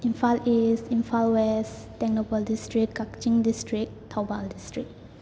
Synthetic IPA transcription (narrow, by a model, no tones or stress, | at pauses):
ĩnfalisĩnfalwɛs | tɛ̃k̚nopəldistɹikːakt͡ʃĩŋdistɹik̚tʰabaldistɹik̚